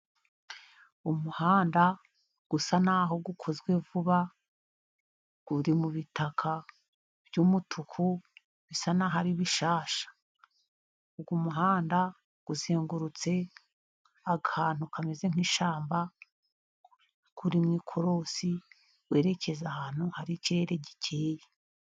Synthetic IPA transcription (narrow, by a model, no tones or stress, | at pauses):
umuhaːnda | ɡ̥usanaɦo̞ɡukʰo̞zɡwe̞vuβa | ɡ̥uɾimuβitʰakʰa | b̥jumutʰukʰu | βisanaɦaɾiβiʃaːʃḁ | uɡwumuɦaːnda | ɡ̥uzeːŋɡuɾut͡se̞ | aɡhaːn̥ukʰameze̞ŋ̥iːʃaːmba | kʰuɾimŋiːkʰo̞ɾo̞si | we̞ːɾe̞ce̞zahaːn̥huhaɾiciɾe̞ɾe̞ɟicʰeːje